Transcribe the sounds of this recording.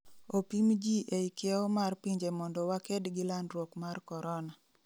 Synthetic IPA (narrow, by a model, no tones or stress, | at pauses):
opimd͡ʒiʔeikjɛɔmarpiɲd͡ʒemɔndɔwakedɡɪlandɾwokmarkɔɾɔna